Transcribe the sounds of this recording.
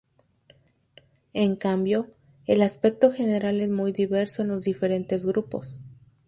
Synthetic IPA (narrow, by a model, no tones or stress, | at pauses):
e̞ŋkambjo̞ | elaspe̞k̚t̪o̞xe̞ne̞ɾale̞zmujðiβe̞ɾso̞enlo̞zðife̞ɾe̞nt̪e̞zɣɾupo̞̰s